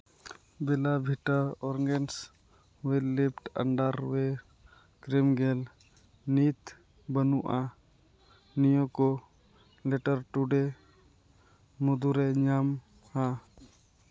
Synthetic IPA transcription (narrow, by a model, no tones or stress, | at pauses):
bɪlabʱiʈəɔɾŋɡens | welipʈə̰ɳɖəɾwe | kɾimɡel | nit̪ | bənuʔa | nijoko | leʈəɾʈuɖe | mʊd̪uɾeɲam | ha